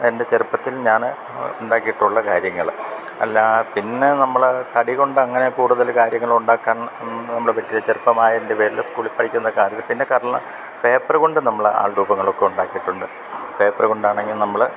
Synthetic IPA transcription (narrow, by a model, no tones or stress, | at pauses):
e̞nde̞t͡ɕerupːɐt̪ːilɲaːn | uɳɖaːkːijiʈːuɭːɐkaːɾjɐŋːɐɭ | ɐ̰lːapinːe̞nɐmːɐɭt̪ɐɽiɣo̞ɳɖɨɐŋːɐne̞kuːɽuðɐlkaːɾjɐŋːɐɭuɳɖaːkːaːnnɐmːɐɭepɐtːilet͡ɕerupːɐmaːjɐendeʋeːɾilskuːɭipːɐʈʰikʲːunːɐkaːɾɐt̪ːilpinːe̞kaːrɐɭlːɐ̰ | pe̞ːpːɐrɨɣo̞ɳɖɨnɐmːɐɭa̰ːɭɾuːbɐŋːɐɭo̞kːe̞uɳɖaːkːiʈːuɳɖɨ | pe̞ːpːɐrɨɣo̞ɳɖaːɳe̞ŋɡilnɐmːɐɭ